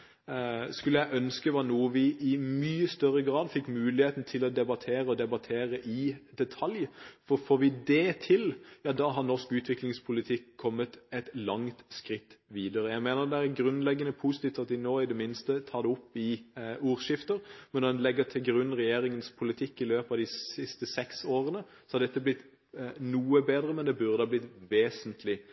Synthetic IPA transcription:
skʉləjæɪʔœnskəʋɑːnuːəʋɪʔɪmyːəst̪œrːəɡɾɑːd̪fɪkːmʉːlɪheːt̪n̩t̪ʰɪlɔd̪ɛbɑt̪ʰeːɾəɔd̪ɛbɑt̪ʰeːɾəʔɪd̪ɛt̪ʰɑljfɔɾfoːɾʋɪd̪ɛt̪ʰɪljɑːd̪ɑːɦɑʁnɔʁskʉːt̪ʰʋɪklɪŋspʰʊlɪt̪ʰɪkʰːɔmːət̪ɛt̪lɑŋt̪skʁɪt̪ːʋiːd̪əɾəjæɪmeːnəʁd̪ɛæɾɡɾʉnlɛɡːənəpʰuːsɪt̪iːft̪ɑt̪d̪ɪnoːɪd̪ɛmɪnst̪ət̪ʰɑːd̪ɛʊpːɪuːɾʃɪft̪əɾmɛnɔɛnlɛɡːət̪ʰɪlɡɾʉnːʁɛjeːɾɪŋənspʰʊlɪt̪ʰɪkːɪløːpɑʋd̪ɪsɪst̪əsɛksoːɾənə | sɔ̥hɑɾd̪ɛt̪ːəblɪt̪ː | nuːəbeːd̪ɾəmɛnd̪ɛbʉɾd̪ɑblɪt̪ʋeːsənt̪ʰlɪ

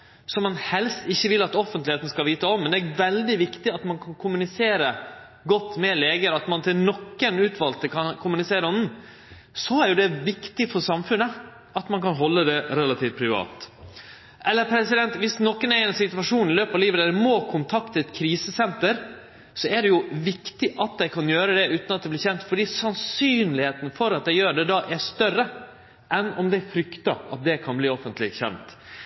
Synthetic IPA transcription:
sɔmɑnhɛlst̪ɪçːəʋɪlɑt̪ɔfənt̪lɪheːt̪n̩skɑlʋiːt̪əɔmːɛnd̪ɛæɾʋɛld̪ɪʋɪkt̪ɪɑt̪mɑnkʰɑnkʰʊmʉnɪseːɾə | ɡɔt̪ːmɛleːɡəɾɑt̪mɑnt̪ʰɪlnɔkːənʉːt̪ʰʋɑlt̪əkʰɑnkʰʊmʉnɪseːɾəɔnn̩ | sɔæɾjʊd̪ɛʋɪkt̪ɪfɔɾsɑmfʉnːə | ɑt̪mɑnkʰɑnɦɔlːəd̪ɛɾɛlɑt̪ʰiːft̪̚pʰɾɪʋɑ̰ːt̪ | ʔɛlːəɾpʰɾɛsɪd̪ɛnt̪ʋɪsnɔkːənæɾɪnsɪt̪ʉʋɑʂuːnɪløːpɑʋliːʋəd̪ɛɛmoːkʰʊnt̪ʰɑkt̪ʰəɛt̪kʰɾiːsəsɛnt̪əɾ | sɔæɖɛjʊʋɪkt̪ɪʔɑt̪̚d̪ɛɪkʰɑnjøːɾəd̪ɛʉːt̪nɑt̪d̪ɛbliːɾçɛnt̪fɔɖiːsɑnsyːnlɪheːt̪n̩fɔɾɑt̪̚d̪ɛɪjøːɖɛd̪ɑːʔæʂt̪œrə | ʔɛnɔmd̪ɛfɾʏkt̪ɑʔɑ̰t̪̚d̪ɛkʰɑnbliːɔfənt̪lɪçɛ̰nt̪

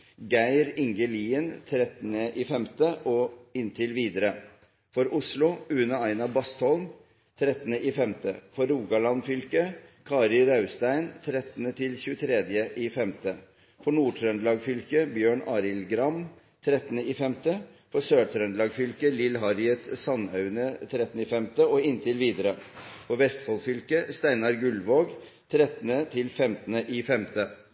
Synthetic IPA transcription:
ɡæɪɾɪŋɡəliːənt̪ʰɾɛt̪ənəʔiːfɛmt̪əʔɔɪnt̪ʰɪlʋiːd̪əɾə | fɔɾʔʊslʊʉnəæɪnɑbɑst̪hɔlm | t̪ʰɾɛt̪ːənəifɛmt̪əfɔɾːuːɡɑlɑnfʏlkəkʰɑːɾɪɾɑʉst̪æɪnt̪ʰɾɛt̪ːənət̪ʰɪlçʉːət̪ʰɾɛd̪jəʔɪːfɛmt̪ə | fɔɳuːʈʰɾœnlɑːɡfʏlkəbjøːɳɑːɾɪlɡɾɑm | t̪ʰɾɛt̪ːənəɪːfɛmt̪ə | fɔsøːʈʰɾœnd̪lɑːɡfʏlkəlɪlɦɑɾjət̪sɑnɑʉnət̪ʰɾɛt̪ːnɪfɛmt̪əɔɪnt̪ʰɪlʋiːd̪əɾəfɔʋɛst̪fɔlfʏlkəst̪æɪnɑɾɡʉlʋoːɡ | t̪ʰɾɛt̪ən̩ət̪ʰɪlfɛmt̪ənəʔifɛmt̪ə

